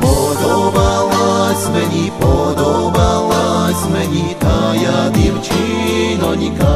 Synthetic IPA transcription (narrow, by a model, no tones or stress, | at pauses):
pɔd̪obawazmɛɲipɔd̪obawazmɛɲit̪ajad̪imt͡ʃʰi | nɔɲika